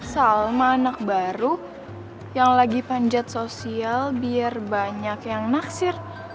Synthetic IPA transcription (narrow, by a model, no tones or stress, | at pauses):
salmaːnak̚baɾu | jaŋlaɡipaɲd͡ʒat̪̚sosialbiarbaɲakjaŋnaksɪr